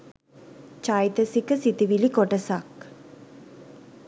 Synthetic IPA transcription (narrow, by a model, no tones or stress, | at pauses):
t͡ʃajt̪əsikəsit̪iʋilikoʈəsak